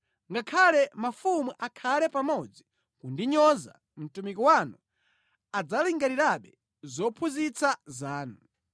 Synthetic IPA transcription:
ŋɡakʰalɛmafumuʔakʰalɛpamɔd͡zi | kundiɲɔza̰ | m̩tumikɔwanu | ad͡zaliŋɡaɾiɾaɓɛ | zɔpʰuzit͡sazaːnu

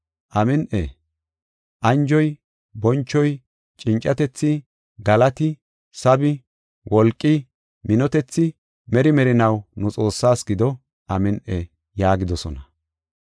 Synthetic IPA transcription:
ʔɐmɪnʔɛ̰ | ʔɐnd͡ʒɔj | bɔnt͡ʃːɔj | t͡ʃʼɪnt͡ʃʼɐt̪ɛt͡sːɪ | ɡɐlɐt̪ɪ | sɐbɪ | wʔɔlkʼːɪ | mɪnɔt̪ɛt͡sːɪ | mɛɾɪmɛɾɪnɐwnʊt͡sʼo̞ːsːaːsɡɪd̪ɔ | ʔɐmɪnʔɛ | jaːɡɪd̪ɔsɔnɐ

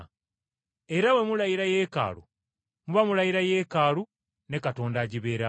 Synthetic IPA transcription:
e̞ɾawe̞mulajiɾajeːka̰ːlṵ | muβamulajiɾaje̞ːkaːlu | ne̞kato̞ːndaɟiβeːɾa

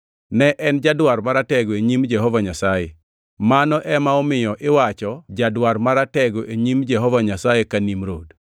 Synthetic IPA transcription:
nɛʔɛnd͡ʒadwarmaɾatɛɡoeɲimd͡ʒɛɦɔvaɲasaje | manɔʔɛmaɔmɪjɔʔɪwat͡ʃɔd͡ʒadwarmaɾatɛɡoʔeɲimd͡ʒɛɦɔvaɲasajekanimɾo̰d

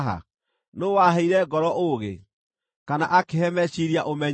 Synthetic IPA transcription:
ɦa̰ | nowaɦeiɾɛɡɔɾɔʔoɣḛ | kana̰ʔakehɛmɛɕiɾiaʔomɛɲ

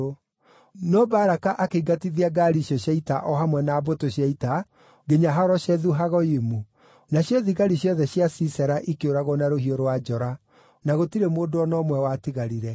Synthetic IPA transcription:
nɔbaɾakaʔakeɡatiðiaɡaːɾiɕɔɕjaitaʔɔɦamwɛnaːbotoɕjaita | ɡeɲaɦaɾɔɕɛðuɦaɣɔimu | naɕjɔðiɣaɾiɕjɔðɛɕjasisɛɾaʔikeoɾaɣɔnaɾohioɾowad͡ʒɔɾa | naɣotiɾemoːdoɔnɔmwɛwatiɣaɾiɾɛ

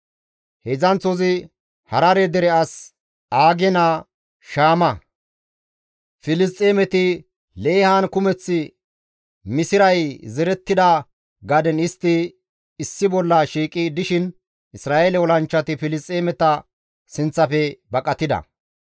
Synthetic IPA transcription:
hɛzɐnt͡sɔzɪ | hɐɾɐɾɛd̪ɛɾɛɐs | aːɡɛna | ʃaːmɐ | fɪlɪst̪ʼːeːmɛt̪ɪ | leːhaːnkʊmɛt͡sːɪ | mɪsɪɾɐjzɛɾɛt̪ːɪd̪ɐ | ɡɐd̪ɛnɪst̪ːɪ | ɪsːɪbɔlːɐʃiːkʼid̪ɪʃɪn | ɪsɾaːʔelɛwɔlɐnt͡ʃːɐt̪ɪfɪlɪst̪ʼːeːmɛt̪ɐ | sɪnt͡sːɐfɛbɐkʼɐt̪ɪd̪ɐ̰

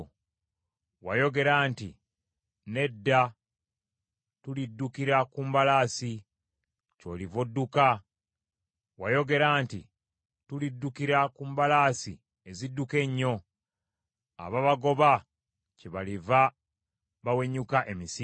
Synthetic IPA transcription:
wajo̞ɡe̞ɾaːntḭ | ne̞dːa | tulidːukiɾakumbalaːsi | co̞̰livodːuka | wajo̞ɡe̞ɾaːntḭ | tulidːukiɾakumbalaːsḭ | ezidːuke̞ɲːo̞ | a̰βaβaɡo̞βa | ceβaliva | βawe̞ɲukaʔemisi

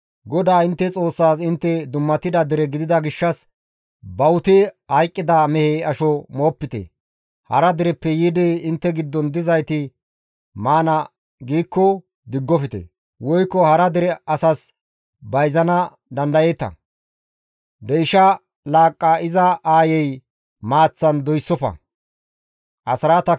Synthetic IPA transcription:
ɡɔd̪aːɪnt̪ːɛt͡sʼo̞ːsːaːsɪnt̪ːɛd̪ʊmːɐt̪ːɪd̪ɐd̪ɪɾɛɡɪd̪ɪd̪ɐɡɪʃːɐs | bɐwʊt̪ɪhɐjkʼːɪd̪ɐmɛheɐʃɔmo̞ːpːɪt̪ɛ̰ | hɐ̰ɾɐd̪ɪɾɛpːɛjid̪ɛɪnt̪ːɛɡɪd̪ːɔnd̪ɪzɐjt̪ɪ | maːnɐ | ɡiːkːɔ | d̪ɪɡːɔfɪt̪ɛ̰ | wɔjkːɔhɐɾɐd̪ɪɾɛɐsɐs | bɐjzɐnɐ | d̪ɐnd̪ɐjeːt̪ɐ̰ | d̪ɛjʃɐ | laːkʼːɐɪzɐʔaːjɛj | maːt͡sːɐnd̪ɔjsːɔfɐ̰ | ʔɐsɾat̪ɐ

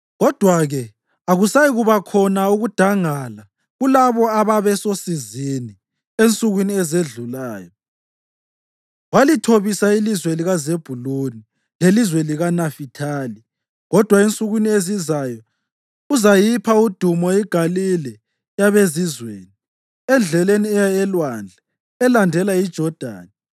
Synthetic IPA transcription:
ɣɔd̥ʱwaɣɛ | aɣusajiɣuβakʰɔnauɣud̥ʱaŋala | ɣulaβɔaβaβɛsosizini | ent͡sʼuɣwiniɛzeɮulaːjɔ | ɣwalitʰoβisailizweliɣazeb̥ʱuloni | lelizweliɣanafitʰali | ɣɔd̥ʱwaent͡sʼuɣwiniezizajɔ | uzajipʰaud̥ʱumɔiɡ̥ʱalilɛ | jaβezizwḛːni | ɛnd͡ɮʱɛleniɛjaɛlwand͡ɮʱa | ɛlandʱɛlaid̥ʒ̥ʱɔd̥ʱa̰ːna

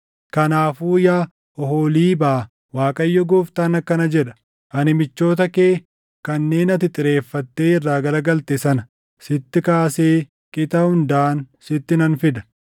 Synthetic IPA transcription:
kɐnaːfuːjaː | ʔɔɦoːliːbaː | waːkʼɐjːɔɡuːft̪aːnɐkːɐnɐd͡ʒɛᶑɐ̥ | ʔɐnɪmɪt͡ʃːo̞ːt̪̬ɐke̞ː | kɐnːe̞ːnɐt̪ɪt̪ʼɪɾe̞ːfːɐt̪ːe̞ːɪrːaːɡɐlɐɡɐlt̪esɐnɐ | sɪt̪ːɪkaːse̞ː | kʼɪt̪ɐhʊnd̪aːn | sɪt̪ːɪnɐnfɪd̪ɐ̥

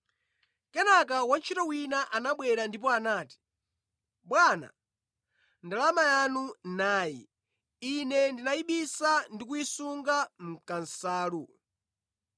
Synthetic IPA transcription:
kɛnak̬awant͡ʃʰitɔwinaʔanaɓwɛɾandip̬ɔanaːti̥ | ɓwana̰ | ndalamajanunaːjḭ | inɛndinaiɓisandikuisuŋɡam̩kan̩saːlu

